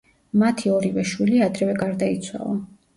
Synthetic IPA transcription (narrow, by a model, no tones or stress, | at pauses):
mat̪ʰiɔɾivɛʃwiliad̪ɾɛvɛɡaɾd̪ait̪sʰwa̰lˠa